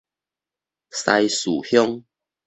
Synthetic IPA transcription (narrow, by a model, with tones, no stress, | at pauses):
sa˧jsu˨˩hjɔ˦ŋ